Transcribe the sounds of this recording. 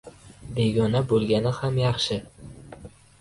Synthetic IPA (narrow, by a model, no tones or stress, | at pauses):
be̞ɡʲɒnabolˠɡʲanɪhamjɑχʃɪ